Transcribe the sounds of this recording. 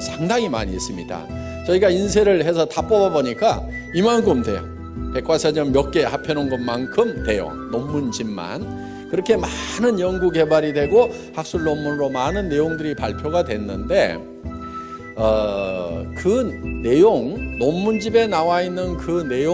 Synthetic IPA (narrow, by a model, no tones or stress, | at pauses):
sʰaŋdaŋima̰ɲis͈ɯmɲida̰ | t͡ɕʌiɡains̬ʰe̞ɾɯɭɦe̞s̬ʰʌtap͈ʌbaboɲik͈a | imankʰɯmde̞̰ | pe̞k͈ʰwasʰʌɲʌmjʌk̚k͈e̞hapʰjʌnonɡʌnmankʰɯmne̞jo̰ŋnomːund͡ʑimːa̰n | kɯɾʌkʰe̞manɯnjʌŋɡuɡe̞baɾidwe̞ɡo | hak̚s͈uɭːomːunɾomanɯnːe̞joŋdɯɾipa̰ɭpʰjoɡadwe̞nːɯnde̞ | ʌ | kɯne̞joŋnomːund͡ʑibe̞nawainːɯnkɯne̞jo